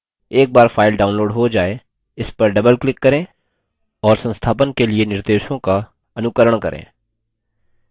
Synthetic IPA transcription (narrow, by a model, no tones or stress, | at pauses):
eːk̚baːɾfʰaːɪlɖaːʊ̃nloːɖɦod͡ʒaːe | ɪspɐɾɖɐbəlklɪkːɐɾẽː | ɔːɾsə̃nst̪ʰaːpənkelienɪɾd̪eːʃõka | ɐnʊkəɾəɽ̃kɐ̰ɾʔḛ̃ː